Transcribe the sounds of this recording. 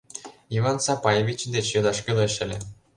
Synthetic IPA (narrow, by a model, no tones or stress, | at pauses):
ivɑnsɑpɑjevʲit͡ɕd̪et͡ɕjod̪ɑʃkʲilˠɤ̆ɕɘ̆lʲĕ